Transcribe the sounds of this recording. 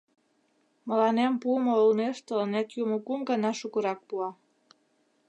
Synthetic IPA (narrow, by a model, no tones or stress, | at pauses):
mə̆lɑnempuəmoolneʃt̪olənet̪jumokumɡənɑʃukəɾɑk̚puɑ